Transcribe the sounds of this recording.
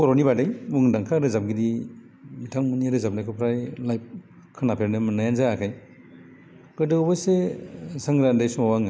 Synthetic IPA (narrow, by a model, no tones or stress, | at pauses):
kɔɾonibadajmuŋdaŋkʰaɾɯzap̚ɡidi | mitʰaŋmuniaɾɯzap̚nakʰɯpʰɾajlajp̚ | kʰanapʰeɾnɯmɯnajanzaakʰaj | kɯdɯbasesaŋɾandajsumawaŋa